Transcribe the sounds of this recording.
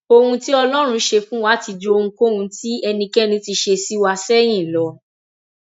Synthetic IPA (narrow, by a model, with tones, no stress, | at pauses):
o˧hũ˧ti˦ɔ˧lɔ˦ɾ̃ũ˧ʃe˧fũ˦wa˦ti˧d͡ʒo˧˦o˧ũ˧ko˦hũ˧ti˦ɛ˧nĩ˧kɛ˦nĩ˧ti˧ʃe˧si˦wa˧sɛ˦j̃ĩ˦˨lɔ˨˦